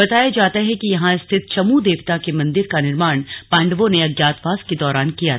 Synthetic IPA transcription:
bɐt̪aːjad͡ʒaːt̪aɦɛkijɐɦãɪst̪ʰɪt̪̚t͡ʃɐmud̪eːʋt̪akemɐ̃nd̪ɪɾkanɪɾmaːɳ̃pãːɳɖʋõneɐɡjaːt̪ʋaːsked̪ɔːɾaːnkija

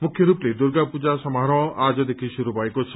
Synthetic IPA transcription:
mukʰjɔɾupled̪uɾɡapud͡ʒasɔmɦaɾɔad͡ʒɔd̪ekʰiʃuɾubajkot͡ʃʰi̥

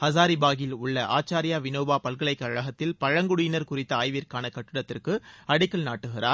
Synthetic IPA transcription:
hɐs̬aːɾibaːɣɪlʊɭːɐʔa̰ːt͡ʃːaːɾɪjaːʋɪnoːbaːpɐlkɐɭɐɪkːɐɻɐɣɐt̪ːɪlpɐɻɐŋɡʊɽʊjɪnɐɾkʊrɪt̪ːɐaːjʋɪɾkaːnɐkɐʈːɪɽɐt̪ːɪrkɯɐɽɪkːɐɭnaːʈːɯɣɪra̰ːɾ

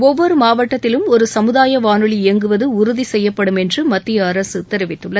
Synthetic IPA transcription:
ɔʋːɔɾɯmaːʋɐʈːɐt̪ːɪlɯmɔɾɯsɐmɯðaːjɐʋaːnɯɭieːŋɡɯʋɐðɯʊɾʊðisɛjːɐpːɐɽɯmɛndrɯmɐt̪ːɪjɐɐɾɐsɯt̪ɛɾɪʋɪt̪ːɯɭːɐð

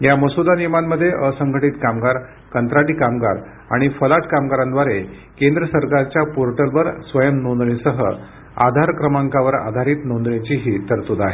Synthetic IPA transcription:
jaməsud̪aniɾmanːəd̪ʱːjeʔəsəŋɡʱəʈiːt̪kamɡaɾ | kənt̪ɾaɽiːkamɡa̰ɾ | a̰ɽ̃ifəlaʈkamɡaɾãnd̪ʋaɾe | kend̪ɾəsəɾkaɾt͡ɕjapoɾʈəlʋəɾsʋəjəmnond̪ɳisəɦə̰ | a̰d̪ʱaɾkɾəmaŋkaʋəɾa̰d̪ʱaɾiːt̪nond̪ɳat͡ɕiɦit̪əɾt̪od̪aɦe

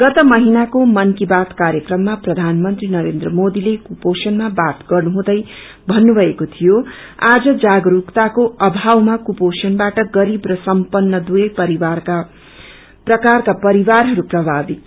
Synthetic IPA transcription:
ɡ̥ʌt̪ʌmʌɦinakomʌnkibat̪kaɾjʌkrʌmːaprʌd̪ʱanmʌnt̪rinʌɾend̪rʌmod̪ilekuposʌnmabat̪ɡʌrnuɦũd̪ʌj | bʱʌnːubʱʌekot̪ʰijo | ad͡zʌd͡zaɡɾukt̪akoʔʌbʱawmakuposʌnbaʈʌɡʌɾibrʌsʌmpʌnːʌd̪ujʌjpʌɾia | prʌkarkapʌɾiwarɦʌɾuprʌbʱabit̪

